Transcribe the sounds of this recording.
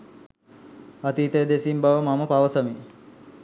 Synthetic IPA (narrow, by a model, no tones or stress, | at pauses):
at̪iːt̪əjəd̪esimbaʋəmaməpaʋəsəmi